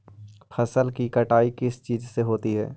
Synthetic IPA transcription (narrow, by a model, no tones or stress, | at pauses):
fʰɐsəlkikɐʈaːikɪst͡ʃiːzseɦoːt̪iɦɛ̰ː